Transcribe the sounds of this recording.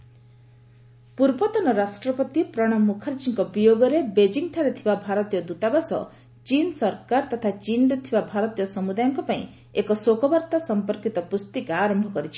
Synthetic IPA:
puɾbɔt̪ɔnɔɾasʈɾɔpɔt̪ipɾɔɽ̃ɔmukʰaɾd͡ʒiŋkɔbijoɡɔɾebed͡ʒiŋt̪ʰaɾet̪ʰibabʱaɾɔt̪ijɔd̪ut̪abasɔ̰ | t͡ʃinsɔɾkaɾt̪ɔt̪ʰat͡ʃind̪ɔt̪ʰibabʱaɾɔt̪ijɔsɔmud̪ajɔŋkɔpaĩ | ekɔsokɔbaɾt̪asɔmpɔɾkit̪ɔpust̪ikaaɾɔmbʱɔkɔɾit͡ʃʰi̥

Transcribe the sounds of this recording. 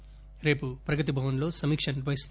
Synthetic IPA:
ɾe̞ːpupɾɐɡɐt̪̬ibʱɐʋɐnlo̞ːsɐmiːkʂɐniʋɐist̪

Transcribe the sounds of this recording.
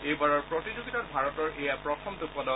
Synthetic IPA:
ejbaɹɔɹpɹɔtid͡ʒuɡitatbʱaɹɔtɔɹʔejapɹɔtʰɔmdupɔnɔ

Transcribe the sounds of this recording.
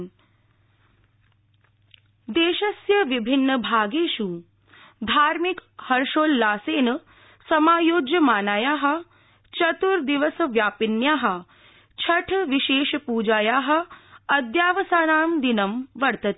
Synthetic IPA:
d̪eːʃɐsjɐʋibʱinːɐbʱaːɡeːʃu | d̪ʱaːɾmikhɐɾʃoːlːaːseːnɐ | sɐmaːjoːd͡ʒjɐmaːnaːjaːɦɐ̆ | t͡ʃɐt̪uɾd̪iʋɐsɐʋjaːpinjaːɦɐ̆ | t͡ʃʰɐʈʰʋiʃeːʃɐpuːd͡ʒaːjaːɦɐ̆ɐd̪jaːʋɐsaːnaːmd̪inɐmʋɐɾt̪ɐt̪ː

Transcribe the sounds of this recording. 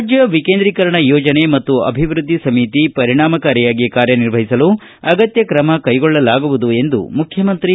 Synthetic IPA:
d͡ʒjɐʋikeːnd̪ɾiːkɐɾɐɳɐjɔːd͡ʒɐne̞mɐt̪ːuɐ̰bʱiʋɾud̪ʱːisɐmit̪ipɐɾiɳaːmɐkaːɾjɐjaːɡikaːɾjɐniɾʋɐɦisɐlu | ɐɡɐt̪jɐkɾɐmɐkɐjɡɔɭːɐlaːɡuʋud̪ue̞nd̪ṵmukʰjɐmɐnt̪ɾi

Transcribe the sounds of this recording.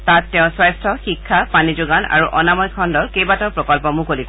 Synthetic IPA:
tatːɛʊ̃swajstʰɔxikʰːapanizʊɡana̰ɹuʔɔnamɔjkʰɔndɔɹkejbatɔpɹɔkɔlpɔmũkolit

